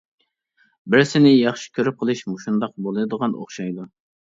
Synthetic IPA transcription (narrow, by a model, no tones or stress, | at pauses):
bɪɾsɪnɪjɑχʃi̥kʲʰøɾyp̚qʰəlˠɨʃmoʃund̪ɑq̚bolˠɨnɨd̪əʁɑno̰χʃɑjd̪u